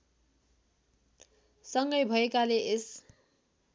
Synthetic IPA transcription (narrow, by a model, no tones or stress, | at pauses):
sʌŋɡʌjbʱʌekaleʔes